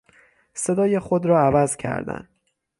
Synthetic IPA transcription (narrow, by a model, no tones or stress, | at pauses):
sed̪ɒːjexod̪ɾɒːævæzcʰæ̰ɾd̪æ̰n